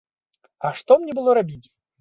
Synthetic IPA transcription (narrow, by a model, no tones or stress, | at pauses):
ɐʂt̪ɔmnʲɛbɨlˠɔɾabʲit͡sʲ